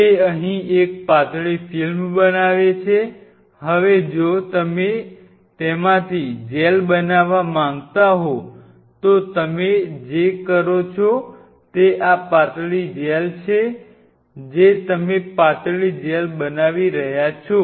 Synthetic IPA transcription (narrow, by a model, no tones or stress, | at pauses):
eəɦĩek̚pat̪ɭifilmbənaʋet͡ʃʰe | ɦəʋed͡ʒot̪əme | t̪emãt̪ʰid͡ʒelbənaʋamãŋɡt̪aɦo | t̪ot̪əmed͡ʒekəɾot͡ʃʰo | t̪eʔapat̪ɭid͡ʒelt͡ʃʰe | d͡ʒet̪əmepat̪ɭid͡ʒelbənaʋiɾəɦjat͡ʃʰo